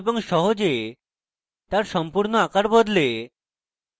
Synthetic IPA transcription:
boŋʃɔɦod͡ʑe | t̪aɾʃɔmpuɾnoakaɾbod̪le

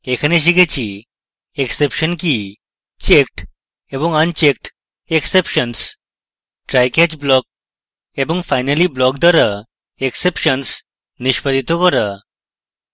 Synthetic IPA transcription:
ekʰaneʃ̬ikʰet͡ɕʰi | eksepʃɔnki | t͡ɕek̚ʈ | eboŋant͡ɕek̚ʈ | eksepʃɔns | ʈɾajkɛd͡ʑblɔk̚ | eboŋfajnaliblɔkd̪ʱaɾa | eksepʃɔns | niʃpad̪ʱit̪okɔɾa

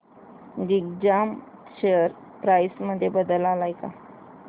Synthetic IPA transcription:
ɡiɡd͡ʑam | ɕejəɾ | pɾajsməd̪ʱːjebəd̪əlalajka̰

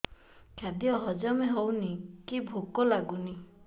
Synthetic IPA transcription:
kʰad̪jɔɦɔd͡ʒɔmeɦownikibʱokɔlaɡuni

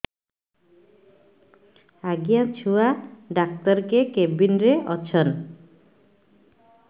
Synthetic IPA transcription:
aɡijat͡ɕʰuaɖak̚t̪ɔɾkekebinɾeʔɔt͡ɕʰon

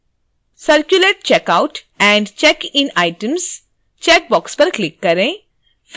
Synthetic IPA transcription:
sɐɾkjʊleʈ̚t͡ʃɛːkaʊʈ | ɛ̃ːɳɖt͡ʃɛːkɪ̃naːɪʈəms | t͡ʃɛːk̚bɔːkspɐɾklɪkːɐɾẽ | f

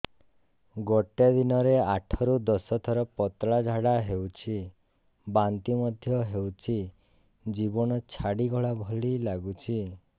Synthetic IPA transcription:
ɡɔʈed̪inɔɾeaʈʰɔɾud̪ɔsɔt̪ʰɔɾɔpɔt̪ɭad͡ʒʱaɽaɦewt͡ʃʰi | bant̪imɔd̪ʱjɔɦewt͡ʃʰi | d͡ʒibɔnɔt͡ʃʰaɽiɡɔɭabʱɔɭilaɡut͡ʃʰi

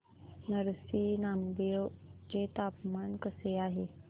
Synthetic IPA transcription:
nəɾsinamd̪ed͡ʑet̪apmankəseaɦe

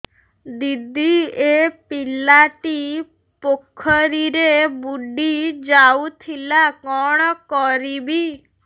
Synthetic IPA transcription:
d̪id̪iepilaʈi | pokʰɔɾiɾebuɖid͡ʒawt̪ʰilakɔɽ̃ɔkɔɾibi

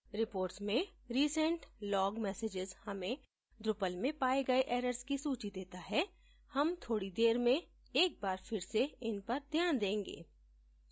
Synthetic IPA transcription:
ɾɪpoːɾʈsmẽɾiːsə̃ɳʈlɔːɡmɛːseːd͡ʒɪzhɐmẽ | d̪ɾʊpəlmẽpaːeɡɐeʔɛːɾəɾskisuːt͡ʃid̪eːt̪aɦɛ | hɐmt̪ʰoːɽid̪eːɾmẽ | eːk̚baːɾfɪɾseɪnpɐɾd̪ʱjaːnd̪ẽːŋɡḛː

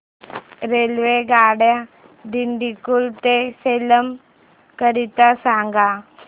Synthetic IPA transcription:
ɾelʋeɡaːɽja | d̪iɳɖikːult̪eselɐm | kɐɾit̪ːasaːŋɡa

